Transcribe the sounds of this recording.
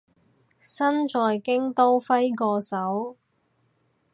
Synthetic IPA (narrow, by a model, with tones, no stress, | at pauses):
sɐ˥nt͡ʃɔː˨˧jkɪ˥ŋt̪o˥wfɐ˥jkɔː˧sɐ˨˥w